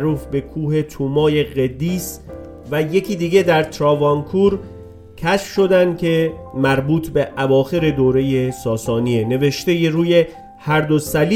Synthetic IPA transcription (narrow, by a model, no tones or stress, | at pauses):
ɾuːfbe̞kʰuːhe̞t̪ʰuːmɒːje̞ɣed̪iːs | væje̞cʰiːd̪iːɡe̞d̪æɾt̪ʰɾɒːvɒnkʰuːɾ | cʰæʃfʃo̞d̪ænd̪̚kʰe̞mæɾbuːt̪ʰbe̞ʔævɒːxe̞ɾe̞d̪oːɾe̞jesɒːsɒːniene̞ve̞ʃt̪ejeɾuːje̞ | hæɾd̪osæli